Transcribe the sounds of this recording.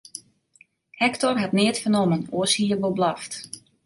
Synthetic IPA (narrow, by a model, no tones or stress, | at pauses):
hɛktɔrɦatneətfənomənoəshiːərʋoblɔft